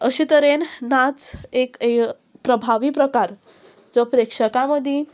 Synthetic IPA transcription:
əɕit̪əɾennat͡seke | pɾəbʱaʋiːpɾəkaɾ | d͡zɔpɾekʂəkaməd̪ʱi

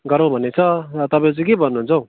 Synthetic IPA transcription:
ɡʌɾõbʱʌnet͡sʰʌt̪ʌpãj̃t͡sĩkebʌnːuɦũnt͡sʰʌu

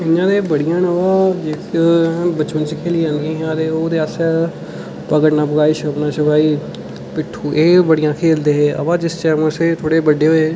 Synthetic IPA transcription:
ɪnːãːd̪eːbəɽɪjãːnəʋaːd͡ʒeː | bəːt͡ʃʋənt͡ʃikʰeːliːãːnd̪ẽːɦãːd̪eːoːd̪eːaːsɛ | pəɡəʈnãːpəɡaːiːʃəbnãːt͡ʃəʋaːiː | pɪʈʰːuːʔeːbəɽijãːkʰeːld̪eːɦeːə̰ʋãːd͡ʒɪst͡ʃɛːməseːt̪ʰoːɽeːbəɖeːɦoeː

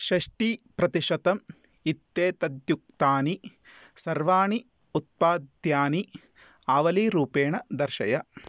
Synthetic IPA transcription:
ʃɐʂʈiːpɾɐt̪iʃɐt̪ɐmit̪ːeːt̪ɐd̪juk̚t̪aːnisɐɾʋaːɳi | ut̪̚paːd̪jaːni | aːʋɐliːɾuːpeːɳɐd̪ɐɾʃɐ̰jɐ

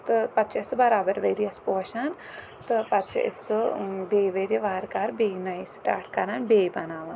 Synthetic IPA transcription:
t̪ɨpɐt͡ʃʰɐɪsbɐɾaːbɐɾʋeːɾijɐspoːʃɐn | t̪ɨpɐtt͡ʃʰɐ̰ʔɪ̰sbeːʋeːɾiʋaːɾkaɾbeːɡnajsʈa̰ːʈʰkɐɾanbeːbɐnaːʋan

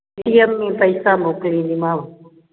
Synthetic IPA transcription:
ʈiːəmːĩːpəɪsaːmoːkɽĩːnimãːʋ

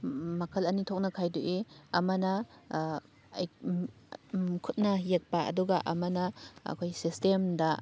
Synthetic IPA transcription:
mɐkʰɐlɐnitʰok̚nɐkʰajduʔeɐmɐnɐ | j | kʰut̚nɐjek̚paʔɐ̰duɡaʔɐmɐnɐɐ̰kʰojsistemdɐ

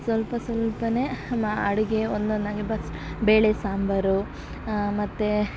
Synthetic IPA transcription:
sʋɐlpɐsʋɐlpɐnemaɐɽiɡeond̪ond̪aːŋɡibɐs | beːɭesaːmbɐɾu | mɐt̪ːe

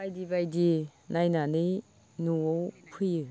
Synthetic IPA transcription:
ajdibajdinʔajnanɯj | nuowpʰɯjɯ

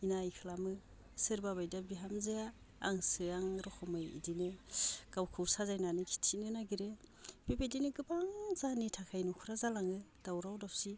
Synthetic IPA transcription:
inajkʰɯlamɯ | sɯɾbabajdabiɦamzeja̰ː | ŋsɯaŋɾɔkʰɔmɯjḭdinɯɡ̥awkʰɯwsazajnanɯkʰi̥tʰinɯnaɡiɾeb̥ibedinɯɡɯbaŋzanitʰakʰajnɔkʰuɾazalaŋɯd̥awɾawdap̚si

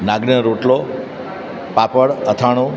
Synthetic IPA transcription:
naɡniəɾoʈlo | papəɽət̪ʰaɽ̃ũ

